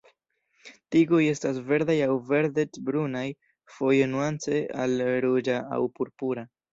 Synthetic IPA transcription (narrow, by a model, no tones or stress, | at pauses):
tiɡo̞je̞stas̬ve̞ɾd̪ajawve̞ɾdetbɾunaj | fo̞jenuant͡se̞a̰lɾud͡ʒaa̰wpuɾpuɾa